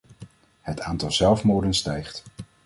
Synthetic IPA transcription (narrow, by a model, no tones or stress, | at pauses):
hətaːntɑlˠzɛlˠfmoːɹdənstɛjχt